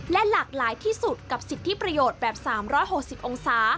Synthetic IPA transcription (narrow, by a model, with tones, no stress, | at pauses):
lɛ˦˥laː˨˩k̚laː˩˦jt̪ʰiː˥˩su˨˩t̪̚ka˨˩p̚si˨˩t̪ʰːi˦˥˩pɾa˧joː˨˩t̪̚bɛː˨˩p̚saː˩˦mɾɔː˦˥˩jɦo˨˩k̚si˨˩p̚ʔo˧ŋsaː˩˦